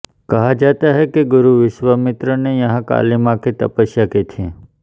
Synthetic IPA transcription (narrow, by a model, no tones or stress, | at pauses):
kəɦad͡ʒat̪aɦekeɡʊɾuʋɪʃʋəmɪt̪ɾənejə̃ɦãka̰limãket̪ə̰pəʃjaket̪ʰiẽ